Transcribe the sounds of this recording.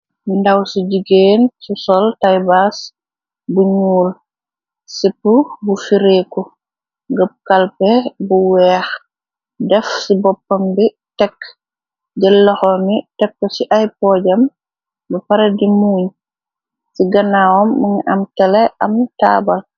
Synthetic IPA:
mindawsiɟiɡensusɔltajbas | buɲuːl | sipubufiɾekɔ | ŋɡəb̚kalpɛbuwɛːx | dɛfsibɔpːambi | tɛkː | d͡ʒɛlːɐxɔmitɛkːɔsiʔajpɔːɟam | bɐpaɾadimuːɲ | siɡɐnawɔmːiŋʔamtalɛʔamta̰ːbal

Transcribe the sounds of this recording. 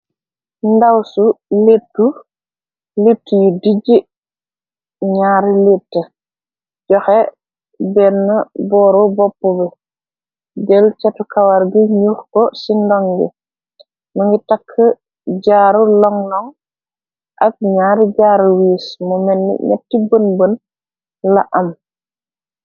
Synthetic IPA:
ndawsuletːu | letːjudiɟi | ɲaːɾletːə | ɟɔxɛ | bɛnːɐbɔːɾɔbɔpːɔbɛ | ɡɛlt͡ʃɐtukawaɾɡiɲuɾkɔsindɔŋɡḭ | mɐŋɡitakʰːə | ɟaːɾulɔŋlɔŋ | ʔɐk̚ɲaːɾɟaːɾwiːsmɔmɛnːḭɲɛ̰tːibənbən | laʔɐm

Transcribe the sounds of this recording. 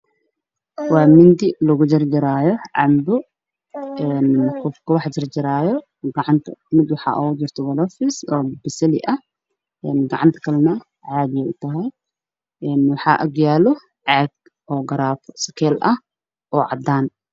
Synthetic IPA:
waːmɪnd̪ɪlɐɣʊd͡ʒɪrd͡ʒɪɾaːjɔʕɑ̰mbʊ | ɛːnkɔfkʰɐwɑħd͡ʒɪrd͡ʒɪɾaːjɔ | ɡɐʕɑnt̪ʰɐ̰mɪd̪wɑħɑ̰ːʔɔʊd͡ʒɪrt̪ʰɔwɐlɔfɪsɔːbɪsɐlɪ̰ʔɐ | ʔɛnɡɐʕɑnt̪ʰɐ̥kʰɐlɐnɐ | ʕaːd̪ɪjɛʔʊt̪ʰɐɦɛj | ʔɛnwɑħɑːʔɐɡjaːlɔ | ʕaɡ | ʔɔːɡɐɾaːfʰɔsɐ̥kʰɛːlʔɐh | ʔɔːʕɑd̪ːaːn

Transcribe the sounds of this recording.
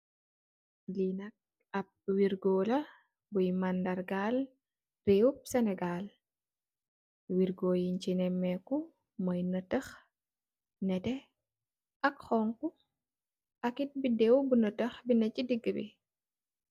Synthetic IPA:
linɐk̚ | ɐp̚wiɾɡolɐ | bujmandɐrɡal | reup̚sɛnɛɡal | wiɾɡoːjiɲt͡ʃinɛmːɛku | mɐjnətəx | nɛtɛ | ʔɐkxɔŋku | ʔɐkit̚bidɛwbunətəxbinɐcːidiɡːəbḭ

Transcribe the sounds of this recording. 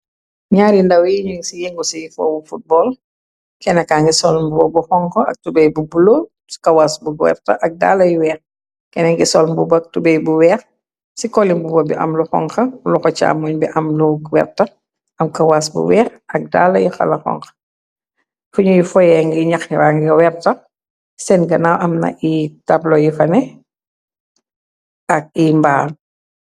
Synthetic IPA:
ɲaːɾindɐwjiɲuŋsijiŋɡusijifɔ̰bufut̚bɔːl | kɛnɐkaːŋɡisɔlmbuwɔbuxɔŋkɐɐ̰k̚tubɛjbubulo | skɐwaːsbuɡwɛ̰ːɾtɐʔɐk̚da̰ːlɐjiwɛːx | kɛnɐŋɡisɔlmbubɐk̚tubɛjbuwɛːx | sikɔlimbubɔbiʔɐ̰mluxɔ̰ŋxɐluxɔt͡ʃa̰ːmuɲbiʔɐmlɔɡwɛ̰ːɾ̚tɐ | ɐmkɐwasbṵwɛːxɐk̚da̰ːlːɐjixɐ̰lɐxɔ̰ŋxɐ̥ | fuɲujifɔjɛŋɡiɲɐxiɾaːŋɡiwɛɾ̚tɐ | sɛnɡɐnawʔɐmnɐ̰ʔitɐplɔjifɐnɛ | ɐk̚imbaːl

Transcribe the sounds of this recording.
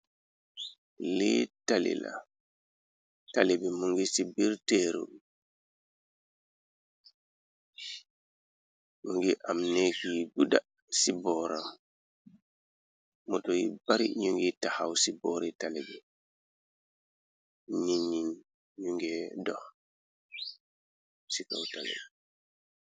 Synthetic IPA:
lɛtalḭla̰ | talebimuŋɡisibiɾteɾṵ | ɲuŋɡiʔamnekiɡuda | sibɔɾam | mɔtɔjibaɾḭɲuŋɡitahawsibɔɾɛtalɛbɛ | ɲiɲːin | ɲuŋɡɛdɔh | sika̰wta̰lḛbi

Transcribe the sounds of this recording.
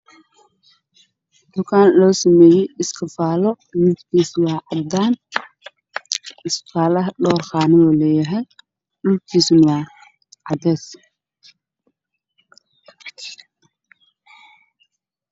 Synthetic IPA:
d̪̥ʊkʰaːnlɔːsɐmɛːjɛjʔɪskʰɐfaːlɔ | mɪd̪kʰiːswɑːʕɑd̪aːn | ʔɪsfaːlɐɦɖɔːrχaːnɪɔːlɛjɐɦɛj | ɖʊlkʰiːsnwɑː | ʕɑd̪ɛs

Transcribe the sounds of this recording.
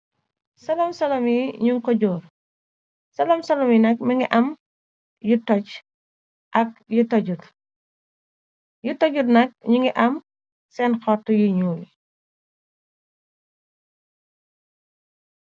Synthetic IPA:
sɐlɐmsɐlɐmiɲuŋkɔɟɔːr | sɐlɐmsɐlɐminɐk̚miŋɡiʔɐm | jutɔt͡ʃ | ʔɐk̚jutɔɟut | jutɔɟutnɐk̚ɲuŋɡiʔɐm | sɛnxɔtːɔjiɲuːli

